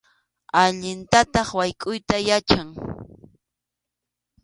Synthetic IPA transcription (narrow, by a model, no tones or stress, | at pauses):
aʎɪnt̪at̪ɑχwajkʼʊjt̪ajat͡ʃaŋ